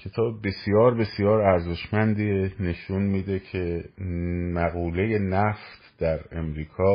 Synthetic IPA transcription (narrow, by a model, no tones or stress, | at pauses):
cʰe̞t̪ʰɒːbebe̞sijɒːɾbe̞sijɒːɾæɾze̞ʃmænd̪ine̞ʃunmiːd̪e̞cʰe̞ | mæɣuːle̞je̞næft̪d̪̥æɾe̞mɾiːkʰɒː